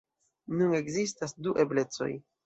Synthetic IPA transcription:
nune̞kzistasduʔe̞ble̞t͡so̞̰j

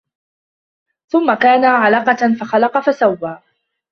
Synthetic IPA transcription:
θʊmːakaːnaʕalɑqɑfaxalɑqɑfasawːaː

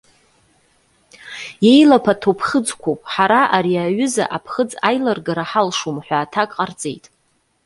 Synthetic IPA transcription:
je̞jlapʰatʰopʰχəd͡zkʷopʼħaɾaʔaɾiaɥʏza̰ʔapʰχəd͡zajlarɡaɾaħalʂumħʷaːtʰakʼqʼart͡sʼe̞̰jtʼ

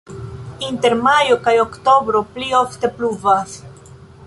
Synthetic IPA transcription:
inte̞ɾmajo̞kajo̞kto̞bɾo̞plio̞fte̞pluvas

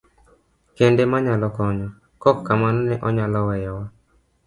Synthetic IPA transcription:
kendemaɲalɔkɔɲɔ | kɔkːamanɔnɛʔɔɲalɔwɛjɛwa

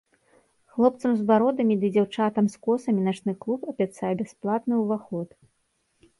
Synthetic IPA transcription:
xlˠɔpt̪sɐmzvaɾɔd̪ɐmʲid̪ɨd͡zʲawt͡ʂat̪ɐmskɔsɐmʲinat͡ʂnɨklˠupɐbʲat̪sajɛbʲasplˠat̪nɨwvaxɔt̪

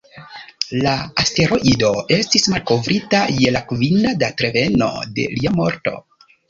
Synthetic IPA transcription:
laaste̞ɾo̞ʔido̞e̞stismalko̞vɾʔitaje̞lakvinadatɾe̞ve̞no̞̰de̞̰liamo̞ɾto̞̰

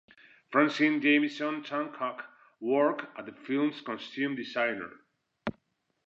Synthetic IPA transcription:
fɹãnsĩnd͡ʒẽɪ̃misɔ̃ntʰãnkʰɔk | wɔɹkat̚ðəfilˠmskɔ̃nstʉ̃mdisajnə̰ɹ

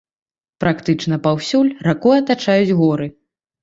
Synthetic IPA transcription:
pɾakt̪ɨt͡ʂnɐpawsʲulʲrakuɐt̪at͡ʂajud͡zʲɣɔɾɨ

